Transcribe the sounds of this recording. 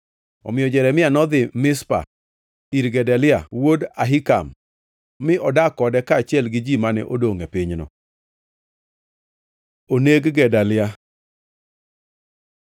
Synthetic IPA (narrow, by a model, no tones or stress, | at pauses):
ɔ̰mɪjɔd͡ʒɛɾɛmɪanɔd̪ɪmɪspa̰ | iɾɡɛdalɪawodaɦika̰mː | ɪɔdakɔdɛkaːt͡ʃɪɛlɡɪd͡ʒimanɛ̰ʔodoŋɛpɪɲnɔ̰ | oneɡɡɛdalɪa